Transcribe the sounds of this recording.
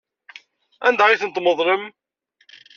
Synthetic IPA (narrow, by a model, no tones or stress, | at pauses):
ænd̪aiθənt̪məðˤləm